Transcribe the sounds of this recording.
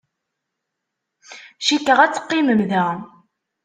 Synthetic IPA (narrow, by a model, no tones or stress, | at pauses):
ʃikəʁæt͡sːə̥qːiməmðæ